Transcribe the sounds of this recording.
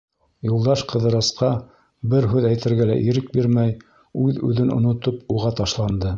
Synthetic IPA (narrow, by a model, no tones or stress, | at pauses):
julˠd̪ɑʃqɤ̆ðɤ̆ɾɤ̆sqɑ | bɘɾɦʉðæjt̪ɘ̆ɾɡælæ̰ʔiɾɘk̚biɾmæj | ʉðʉ̰ðɘnŏ̰nŏt̪opuʁɑt̪ɑʃlˠɑnd̪ɤ